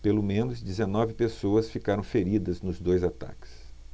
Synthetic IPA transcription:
pelʊmẽnʊzd͡ʒɪzenɔvɪpesoɐsfikaɾɐ̃w̃feɾid̪ɐznʊzd̪ojzat̪a̰kɪ̥s

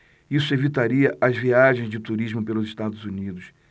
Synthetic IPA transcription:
isʊevit̪aɾiɐʔɐzviaʒẽj̃zd͡ʒɪt̪uɾiʒmʊpelʊzɪʃt̪ad̪ʊzunid̪ʊs

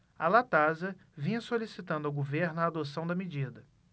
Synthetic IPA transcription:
ɐlat̪azɐvĩɲɐsolisit̪ɐ̃nd̪ʊɐwɡoveɾnʊaːd̪osɐ̃w̃d̪ɐmed͡ʒid̪ɐ

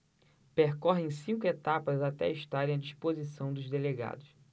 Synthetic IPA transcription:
peɾkɔɦẽj̃sĩŋkʊet̪apɐzat̪ɛ̰ɐiʃt̪aɾẽj̃ɐd͡ʒiʃpozisɐ̃w̃d̪ʊzd̪eleɡa̰d̪ʊs

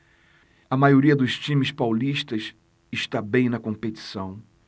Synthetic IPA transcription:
ɐmajoɾiɐd̪ʊst͡ʃĩmɪspawliʃt̪ɐs | ɪʃt̪abẽj̃nɐkõpet͡ʃi̥sɐ̃w̃

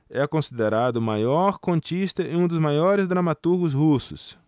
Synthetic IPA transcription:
ɛkõsid̪eɾad̪ʊmajɔɾkõnt͡ʃist̪ɐɪũd̪ʊzmajɔɾɪzd̪ɾamat̪uɾɡʊzhusʊ̰s

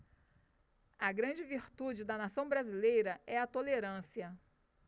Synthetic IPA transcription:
ɐɡɾɐ̃d͡ʒɪviɾt̪ud͡ʒɪd̪ɐnasɐ̃w̃bɾazilejɾɐɛɐt̪oleɾɐ̃siɐ

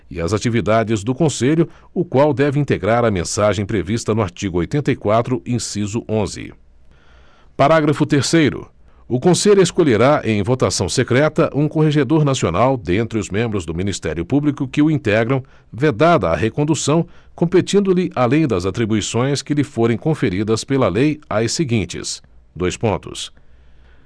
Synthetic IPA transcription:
ɪɐzat͡ʃivid̪ad͡ʒɪzd̪ʊkõseʎʊ | ʊkwawd̪ɛvɪĩnt̪eɡɾaɾɐmḛ̃saʒẽj̃pɾevist̪ɐnʊaɾt͡ʃiɡʊojt̪ẽnt̪ɐikwat̪ɾʊʔẽsizʊʔõzɪ̰ | paɾaɡɾɐfʊt̪eɾsejɾʊ̰ | ʊkõseʎʊeskoʎeɾaʔẽj̃vot̪asɐ̃w̃sekɾɛt̪ɐʔũkoɦeʒed̪oɾnasionawd̪ẽnt̪ɾɪʊzmẽmbɾʊzd̪ʊminist̪ɛ̰ɾjʊpublikʊkɪʊĩnt̪ɛɡɾɐ̃w̃ | ved̪ad̪ɐ̰ːɦekõnd̪usɐ̃w̃ | kõpet͡ʃĩnd̪ʊlɪʔalẽj̃d̪ɐzat̪ɾibuisõj̃skɪlɪfoɾẽj̃kõfeɾid̪ɐspelɐlejajsɪɡĩnt͡ʃɪ̰sd̪ojspõnt̪ʊ̰s

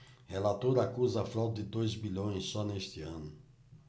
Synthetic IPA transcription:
helat̪oɾɐakuzɐafɾawt̪d̪ɪd̪ojzbiʎõj̃sːɔnest̪ɪɐ̃nʊ

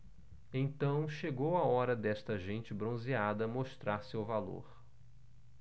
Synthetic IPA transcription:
ẽt̪ɐ̃w̃ʃeɡowaɔɾɐd̪ɛst̪ɐʒẽnt͡ʃɪbɾõziad̪ɐmoʃt̪ɾaɾsewvalo̰ɾ

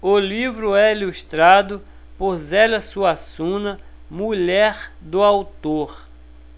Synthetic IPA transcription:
ʊlivɾʊɛilust̪ɾad̪ʊ | poɾzɛlɐsuasũnɐ | muʎɛɾd̪ʊawt̪oɾ

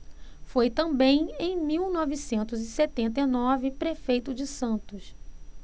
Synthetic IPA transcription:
fojt̪ɐ̃bẽj̃ẽj̃miwnɔvisẽnt̪ʊzɪset̪ẽnt̪ɐjnɔvɪpɾefejt̪ʊd͡ʒɪsɐ̃nt̪ʊs

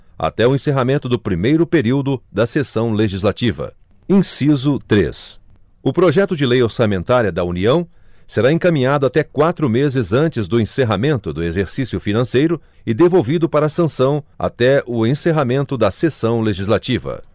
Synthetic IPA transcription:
a̰t̪ɛʊẽseɦamẽnt̪ʊd̪ʊpɾimejɾʊpeɾiwd̪ʊd̪ɐsesɐ̃w̃leʒizlat͡ʃivɐ̰ | ĩsizʊt̪ɾḛs | ʊpɾoʒɛt̪ʊd͡ʒɪlejoɾsamẽnt̪aɾiɐd̪ɐuniɐ̃w̃seɾaẽkamĩɲad̪ʊat̪ɛkwat̪ɾʊmezɪzɐ̃nt͡ʃɪzd̪ʊẽseɦamẽnt̪ʊd̪ʊezeɾsisjʊfinɐ̃sejɾʊ | ɪd̪evowvid̪ʊpaɾɐːsɐ̃sɐ̃w̃a̰t̪ɛʊẽseɦamẽnt̪ʊd̪ɐsesɐ̃w̃leʒizlat͡ʃivɐ̰

